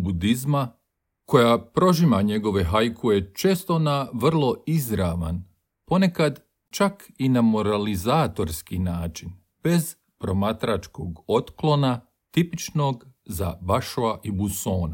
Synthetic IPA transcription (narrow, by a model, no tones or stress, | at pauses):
bud̪izma | ko̞japɾo̞ʒimaɲe̞ɡo̞ʋe̞ɦajkʰuje̞t͡ʃe̞ːst̪o̞naʋr̩lˠo̞izɾaʋa̰n | po̞ne̞kad̪ | t͡ʃakinamo̞ɾalizaːt̪o̞ɾskinaːt͡ʃin | b̥e̞z | pɾo̞mat̪ɾat͡ʃkoɡo̞t̪klˠo̞na | t̪ipit͡ʃno̞ɡza̰baʃuaʔibusoːna